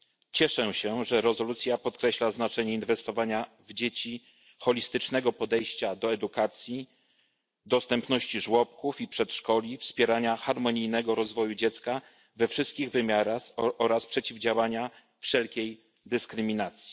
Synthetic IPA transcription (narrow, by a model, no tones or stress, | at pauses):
t͡ɕɛʂɛɕɛʐɛɾɛzɔlut̪sʲjapɔt̪̚kɾɛɕlaznat͡ʂɛɲɛinvɛst̪ɔvaɲa | vd͡ʑet͡ɕi | xɔlʲist̪ɘt͡ʂnɛɡɔpɔd̪ɛjɕt͡ɕad̪ɔɛd̪ukat̪sʲji | d̪ɔst̪ɛmpnɔɕt͡ɕiʐwɔpkufipʂɛt̪ʂkɔlʲifspʲjɛɾaɲaxaɾmɔɲijnɛɡɔɾɔzvɔjud͡ʑɛt̪ska | vɛfʂɘst̪̚kʲiɣvɘmʲjaɾaxɔɾaspʂɛt͡ɕivd͡ʑawaɲa | fʂɛlkʲej | d̪ɘskɾɘmʲinat̪sʲji̥